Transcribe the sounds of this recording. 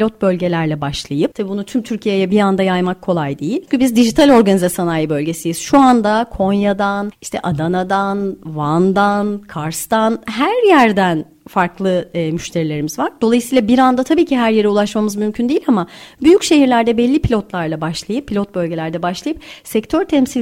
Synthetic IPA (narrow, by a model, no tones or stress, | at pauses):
lʲo̞t̪̚bø̞lʲɟe̞lʲæɾlʲɛbaʃlˠajɯp̚t̪ʰabiːbunut̪ʰymt̪ʰyɾcʰije̞jɛbiɾand̪ajajmakʰːo̞lˠajd̪ejilʲcʰybizd̪iʒit̪ʰalʲo̞ɾɡanizasanajɯbø̞lʲɟe̞sijiz̥ʃuand̪akʰo̞njad̪aniʃt̪ʰɛ̰ʔad̪anad̪anvand̪ankʰaɾst̪anɦæɾjæɾd̪æn | faɾklˠɯmyʃt̪ʰeɾilʲe̞ɾimizvaɾd̪o̞lˠajɯsiːlˠabiɾand̪at̪ʰabiːcʰiɦæɾjeɾɛulˠaʃmamɯzmymcʰynd̪ijilʲamabyjycʃe̞ɦiɾlʲæɾd̪ɛbɛlʲːipʰilʲo̞t̪lˠaɾlˠabaʃlˠajɯpʰːilʲot̪̚bø̞lʲɟe̞lʲæɾd̪ɛbaʃlˠajɯp̚sɛct̪ʰøɾt̪ʰɛmsilʲ